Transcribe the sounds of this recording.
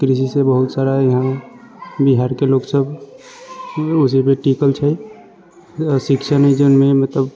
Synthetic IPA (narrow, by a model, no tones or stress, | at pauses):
kɾis̬isebəɦut̪saɾajəɦã | biɦaɾkeloɡsəb | ʊsipeʈikəlt͡ʃʰə | sikʃʰənəd͡ʒənmẽmət̪ləb